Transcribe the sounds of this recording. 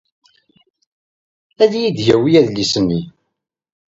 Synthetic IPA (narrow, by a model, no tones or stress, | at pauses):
æðjid̪ʝæwijæðlisəmːi